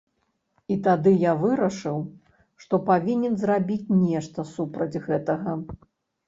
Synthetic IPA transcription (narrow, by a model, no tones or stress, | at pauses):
it̪ad̪ɨjavɨɾɐʂɨw | ʂt̪ɔpavʲinʲɛnzrabʲit͡sʲnʲɛʂt̪ɐsupɾɐd͡zʲɣɛt̪ɐɣɐ